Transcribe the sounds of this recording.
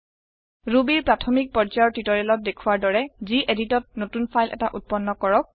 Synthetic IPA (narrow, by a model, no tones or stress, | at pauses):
ɹubiɹpɹatʰɔmik̚pɔzajɔɹtitɔɹɛlɔt̚dekʰuwaɹdɔɹɛziʔeditɔt̚notunpʰajlʔɛ̰taʔut̚pɔnːɔkɔɹɔk̚